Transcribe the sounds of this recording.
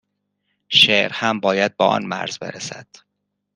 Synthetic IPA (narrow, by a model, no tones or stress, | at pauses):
ʃeʔɾhæmbɒːjæd̪̚beːʔɒ̰ːnmæ̰ɾzbe̞̰ɾæsæ̰d̪̥